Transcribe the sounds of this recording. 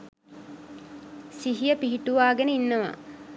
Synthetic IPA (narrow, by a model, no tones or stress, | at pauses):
siɦijəpiɦiʈuʋaːɡenəinːəʋa̰